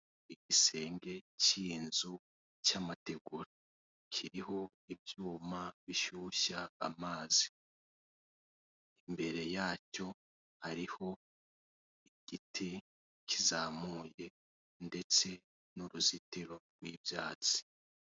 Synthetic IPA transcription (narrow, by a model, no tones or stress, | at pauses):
iɟise̞ːŋɡe̞ciːnzu | camate̞ɡuɾa | kʰiɾiho̞ | ibjuːmaβiʃuːʃa̰ːmaːzi | imbe̞ɾe̞jaːco̞ | haɾiho̞ | iɟ̥itʰi | cʰizaːmuːje̞ | nde̞t͡se̞ | nuɾuzitiɾo̞ɾɡwiːbjaːt͡si̥